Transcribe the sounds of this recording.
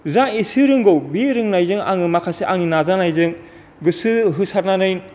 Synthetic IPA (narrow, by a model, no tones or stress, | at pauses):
zaŋisɯɾɯŋɡowbiɾɯŋnajzɯŋa̰ŋɯmakʰaseʔaŋninazanajzɯŋ | ɡɯsɯɦɯsaɾnanɯjn